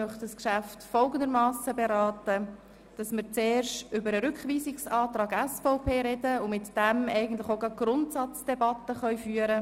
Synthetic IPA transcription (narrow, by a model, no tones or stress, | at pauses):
œχdɑskʃæftfɔlɡənd̪əɾmɑːsəbɛɾɑːtə | d̥ɑsmɪɾt͡seːɾʃtʏbəɾəɾʏkχʋiːsɪksɑːt̪ɾɑːɡɛsfɔʊpʰeːɾɛdəʊmɪtd̥ɛmɛɪɡən̩tlɪχoʊɡɑɡ̥ɾʊntsɑt͡sd̥ɛbɑtəχœʏfyːəɾə